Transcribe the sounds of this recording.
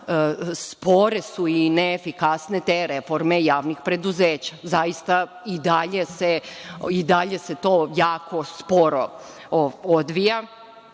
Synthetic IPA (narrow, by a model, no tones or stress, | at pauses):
spo̞ɾesuineːfikasnet̪eːɾefo̞ɾme̞jaːʋnixpɾe̞d̪uzeːt͡ɕḁzajist̪a | id̪aʎe̞seid̪aʎe̞se̞t̪o̞ːjaːko̞spoɾo̞ | od̪ʋija